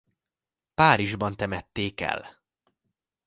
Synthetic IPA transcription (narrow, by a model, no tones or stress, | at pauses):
paːɾiʒbɒnt̪ɛmɛt̪ːeːkɛ̰l